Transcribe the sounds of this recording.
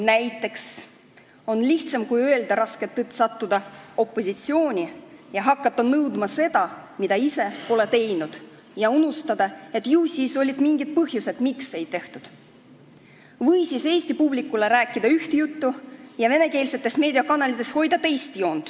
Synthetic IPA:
næjt̪ːˑe̞ks | o̞nliht̪sɑmkujø̞eld̪ɑɾɑsket̪ːet̪ːsɑt̪ːud̪̥ɑo̞pːˑo̞sʲit̪sio̞ːnʲijɑɦɑkːɑt̪ːɑnɤwd̪mɑse̞d̪̥ɑmid̪̥ɑise̞o̞le̞t̪e̞jnud̪̥ | jɑunust̪ɑd̪̥ɑe̞t̪ːjuːsiːso̞lʲːid̪̥miŋɡid̪̚pɤhjuse̞d̪̥mikse̞jt̪e̞ht̪ud̪̥ | vɤjsise̞ːsʲt̪ipublikːˑule̞ɾæːkːˑid̪ɑyht̪ejut̪ːujɑve̞ne̞ke̞ːlse̞t̪ːˑe̞sme̞ːd̪iɑkɑnɑlit̪ːˑe̞sho̞jd̪̥ɑt̪e̞jst̪ijo̞ːnd̪̥

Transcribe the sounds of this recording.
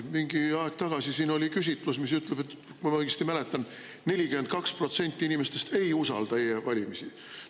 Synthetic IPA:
miŋɡ̥iɑeɡ̥̚t̪ɑɡ̥ɑsisiːno̞lʲikysʲit̪ˑlusmis̬yt̪ˑle̞be̞t̪ː | kujmɑɡest̪imæle̞t̪ˑːɑn | ne̞lʲikymend̪̥̚kɑkspro̞t̪se̞nʲt̪ʲːˑiinimest̪e̞st̪e̞jusɑ̰ld̪ɑeevɑlʲimisi

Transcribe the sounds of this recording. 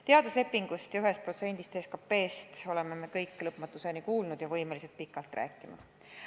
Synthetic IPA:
t̪e̞ɑd̪usle̞pːiŋɡ̥ust̪jɑyɦe̞st̪̚pro̞t̪se̞nd̪ist̪eskɑpːe̞ːst̪o̞le̞meme̞kɤjkːˑlɤpmɑt̪ːˑuse̞nikuːlnud̪̥jɑvɤjme̞lise̞lt̪̚pikːˑɑlt̪rʔæ̰ːkːˑimɑ̰

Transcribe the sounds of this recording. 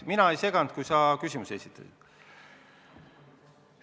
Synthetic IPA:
minɑejse̞ɡɑnd̪̥̚kujsɑkysʲimuse̞sʲit̪ːˑɑ̰sḭd̪̥

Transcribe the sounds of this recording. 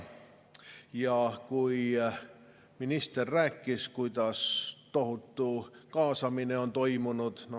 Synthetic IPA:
jɑkui | minist̪erːækːiskuit̪ɑst̪ohut̪ːukɑːsɑmineont̪oimunut̪n

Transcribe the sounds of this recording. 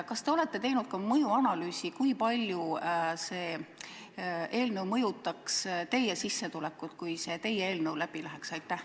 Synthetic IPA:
kɑst̪e̞o̞le̞t̪ːˑe̞t̪e̞jnud̪̥̚kɑmɤjuɑnɑlyːsikujpɑlʲjuse̞ː | e̞ːlnɤ̞wmɤjut̪ːˑɑkst̪e̞jesisːe̞t̪ule̞kːˑut̪kujse̞t̪e̞jːee̞ːlnəwlæb̥ilæɦeksɑjt̪ːˑæh

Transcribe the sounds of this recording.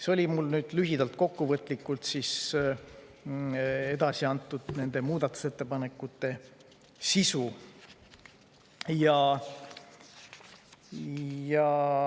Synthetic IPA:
seo̞lʲimulnyːd̪̥lyɦid̪̥ɑlt̪̚ko̞kːuvɤt̪ːˑlikːˑult̪sis | e̞d̪ɑsiɑnt̪ːˑud̪̥ne̞nd̪̥e̞muːd̪̥ɑt̪ːˑu̥se̞t̪ːe̞pɑne̞kːˑut̪ːˑe̞ | sisu | jɑ | jɑ

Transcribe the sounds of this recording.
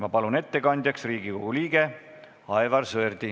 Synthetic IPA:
mɑpɑlune̞t̪ːe̞kɑnʲd̪ʲjɑksriːɡiko̞ɡ̥uliːɡ̥e̞ | ɑevɑrsɤrd̪̥i

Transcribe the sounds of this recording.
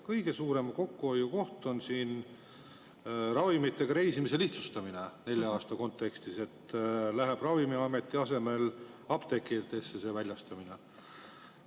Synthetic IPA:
kɤjɡ̥e̞suːɾe̞mko̞kːuojːuko̞ht̪o̞nsiːn | rɑvimit̪ːˑe̞ɡ̥ɑɾe̞jsimise̞liht̪su̥st̪ɑminene̞lʲjɑɑːst̪ɑko̞nt̪ːˑe̞kst̪ise̞t̪ːlæɦeb̥rɑvimiɑme̞t̪ːˑiɑse̞me̞lɑb̥t̪e̞kːˑit̪ːˑesːese̞ːvælʲjɑst̪ɑmine

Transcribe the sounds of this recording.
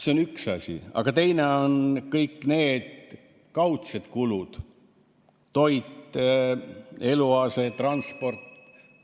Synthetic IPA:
seonyksɑsʲḭɑ̰ɡ̥ɑt̪e̞jne̞o̞nkɤjkːˑne̞ːd̪̥ | kɑwt̪sed̪̥kulud̪̥ | o̞jt̪ | e̞luɑset̪rɑnspo̞rt̪ː

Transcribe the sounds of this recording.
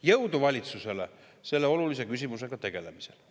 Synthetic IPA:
jɤwd̪uvɑlʲit̪suse̞le | se̞lːeo̞lulis̬e̞kysʲimus̬e̞ɡ̥ɑt̪e̞ɡ̥e̞lemise̞l

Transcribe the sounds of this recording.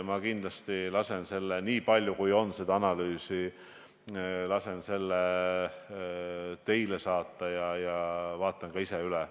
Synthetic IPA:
mɑkind̪̥lɑst̪ilɑse̞nse̞lːeniːpɑlʲjukujo̞nːse̞d̪ɑɑnɑlyːsi | lɑse̞nse̞lːe | t̪e̞jlesɑːt̪ːˑɑjɑjɑvɑːt̪ːˑɑŋkɑiseylɛ

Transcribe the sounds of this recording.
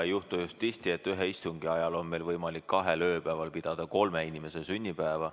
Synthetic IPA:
ejuht̪ujust̪ːist̪ie̞t̪ːyɦe̞ist̪uŋɡ̥iɑjɑlo̞nme̞lvɤjmɑlikkːɑɦe̞lø̞ːpæːvɑlpid̪̥ɑd̪̥ɑko̞lmeinime̞sesynʲːipæevɑ

